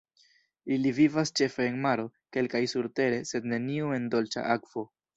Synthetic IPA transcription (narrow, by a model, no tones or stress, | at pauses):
ilivivast͡ʃe̞fe̞ːnmaɾo̞ke̞lkajsuɾte̞ɾe̞se̞dne̞niue̞ndo̞lt͡ʃa̰ʔakv̥o̞